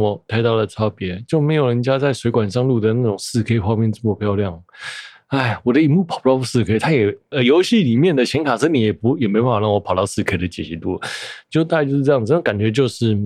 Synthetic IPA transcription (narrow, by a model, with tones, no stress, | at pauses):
ɔ˨˩t̪ʰa˥˧ɪt̪ɑ˥˩ʊlə˩t͡sʰɑ˥ʊpjɛ˧˥˦t͡ɕjo˥˩ʊme˧˥ɪjo˨˩ɻə˧˦˥nt͡ɕja˥t͡sa˥˩ɪʂwe˧˥ɪkwa˨˩nʂɑ˥˧ŋlu˥˩d̪ə˩na˥˩ʈ͡ʂʊ˨˩ŋsɹ̩˥˧kʰe˥ɪxwɑ˥˧ŋmjɛ˥˧nʈ͡ʂə˥˩mə˧˩pʰjɑ˥˧ʊljɑ˥˩ŋ | a˥˩ɪwɔ˨˩d̪ə˦i˧˨˩mu˥˩pʰɑ˨˩pu˥t̪ɑ˥˧ʊpu˥˩sɹ̩˥˧kʰe˥ɪt̪ʰa˥jɛ˨˩ə˧˩jo˧˥ʊɕi˥˩li˨˩mjɛ˥˩nd̪ə˩t͡ɕʰjɛ˧˥nkʰa˨˩sɤ˥ni˨˩jɛ˨˩pu˧˥jɛ˨˩me˧˥ɪpa˥˩fa˨˥ɻɑ˥˩wɔ˧˥pʰɑ˨ʊt̪ɑ˥˧ʊsɹ̩˥˧kʰe˥ɪd̪ə˧˩t͡ɕjɛ˨˩ɕi˧˥t̪ṵ˥˩t͡ɕjo˥˧ʊt̪a˥˧˥t͡ɕjʂɻ̩˥˧˥jə˨˩˥ŋka˨˩nt͡ɕɥɛ˧˥t͡ɕjo˥˧ʊʂɻ̩˥˩